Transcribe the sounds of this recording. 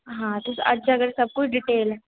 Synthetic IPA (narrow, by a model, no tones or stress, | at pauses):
ɦãt̪usəd͡ʑaɡəɾesəb̚kut͡ʃɖiʈel